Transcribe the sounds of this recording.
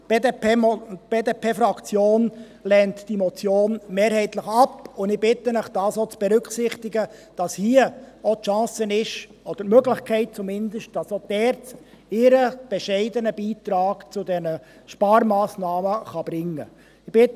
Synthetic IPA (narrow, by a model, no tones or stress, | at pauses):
d | b̥eːdepʰeːfɾɑkt͡sjoːn | lɛntd̥imɔt͡sjoːnmeːɾhɛɪtləχɑpʊndɪb̥ɪt̪ənəχd̥ɑːsot͡sb̥ɛɾʏksɪχt̪ɪɡəd̥ɑshiəɔtʃɑ̃ːsənɪʃ | ɔd̥əɾmøɡlɪχkʰɛɪt̚t͡sumɪndəʃt̚d̥ɑsod̥ɛːɾt | ɪɾəb̥ɛʃɛɪdənəb̥iːtɾɑːɡ̥t͡sʊdɛnə | ʃpɑːɾmɑːsnɑːməχɑb̥ɾɪŋːə | ɪb̥ɪt